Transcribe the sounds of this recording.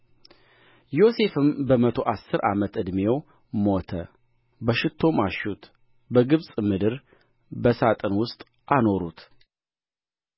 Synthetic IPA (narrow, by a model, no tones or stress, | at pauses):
jo̞se̞fɨmbəmət̪ʰo̞ʔasːɨɾa̰mət̪ɨd̪me̞w | mo̞t̪ʰə | bəʃɪt̪ʰːo̞maʃut̪ | bəɡɨβsʼmɨd̪ɨɾ | bəsat̪ʼɨnwʊst̪ʼ | ʔano̞ɾut̪